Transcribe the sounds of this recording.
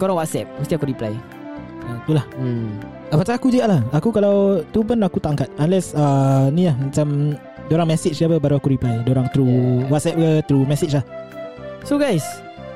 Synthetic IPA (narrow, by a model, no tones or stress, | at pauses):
koɾaŋwat̪̚sɛp̚mũst̪iakuɾipla̰j | aokelah̩ | apat͡ʃaakud͡ʒiɡaʔlahakukalawt̪up̬ənakut̪aʔaŋkat̪̚anlɛsanĩlahmat͡ʃam | doɾaŋmɛsit͡ʃdiapəbaɾuakuɾiplajdoɾaŋt̪ɾuwat̪sɛp̚kət̪ɾumɛsit͡ʃlah | soɡajs